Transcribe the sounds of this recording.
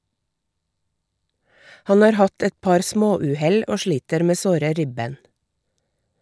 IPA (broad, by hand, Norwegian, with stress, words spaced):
ˈhɑn ˈɑːɾ ˈhɑt ˈɛt ˈpɑɾ ˈsmoːˌʉːˌhɛl ˈoː ˈʃliːtəɾ ˈmeː ˈsoːɾə ˈɾɪbeːn